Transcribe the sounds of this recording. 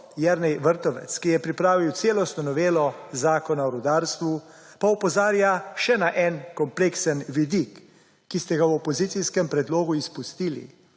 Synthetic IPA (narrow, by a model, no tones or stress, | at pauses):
jɛɾnɛjʋəɾt̪ɔʋɛ̰t̪skijɛpɾipɾaːʋiwt̪seːlɔst̪nɔnɔʋeːlɔzaːkɔnaɔɾɔd̪aːɾst̪ʋu | paɔpɔzaːɾjaʃɛnaʔɛnkɔmpleːksənʋid̪ikː | ist̪ɛɡawɔpɔzit̪siskɛmpɾɛd̪loːɡuispust̪iːlḭ